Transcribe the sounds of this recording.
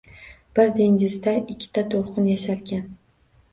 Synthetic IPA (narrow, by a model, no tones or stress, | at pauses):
b̥ɪɾd̪e̞ŋɡʲɪzd̪aʔɪkʲʰːɪ̥t̪ʰat̪ʰoɾqʊnjaʃaɾkʲan